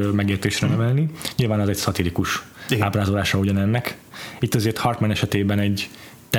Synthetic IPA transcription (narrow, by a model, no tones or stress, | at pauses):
mɛɡeːrt̪eːʃrɛnɛvɛlniɲilvaːnɛzɛcsɒt̪ilikuʃ | ɡaːbraːzolaːʃɒuɟɒnɛnːɛk | it̪ːɒzeːrt̪hɒrt̪mɛnɛʃɛt̪eːbɛnɛɟ | t̪